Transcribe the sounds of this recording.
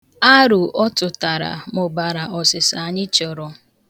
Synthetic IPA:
a˦ɾʊ˨ɔ˦tʊ˨ta˨ɾa̰˨mʊ˨ba˨ɾa˨ɔ˨sɪ˨sa˨ɲɪ˦t͡ʃɔ˨ɾɔ˨

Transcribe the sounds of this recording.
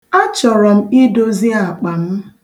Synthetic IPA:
a˦t͡ʃɔ˨ɾɔ˨m̩˦i˦do˦zi˦a˨k͡pa˨n̩˦

